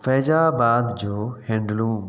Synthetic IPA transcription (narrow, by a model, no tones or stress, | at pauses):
fɛːd͡ʑaːbaːd̪d͡ʑoːhɛ̃ːɳɖlũː